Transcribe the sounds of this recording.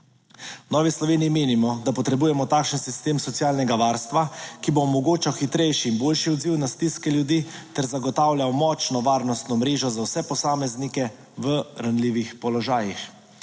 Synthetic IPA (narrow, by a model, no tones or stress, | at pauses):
nɔːʋislɔʋeːniimeːnimɔd̪apɔt̪ɾɛbuːjɛmɔt̪aːkʃənsist̪eːmsɔt̪siaːlnɛɡaʋaːɾst̪ʋakiboːmɔɡoːt͡ʃawxit̪ɾɛjʃiːnboːlʃiɔd̪ziwnast̪iskɛljud̪it̪ɛɾzaɡɔt̪aːwlʲjawmɔːt͡ʃnɔʋaːɾnɔst̪nɔmɾeːʒɔzawsɛpɔsaːmɛznikɛ | ʋəɾanliːʋixpɔlɔʒaːjix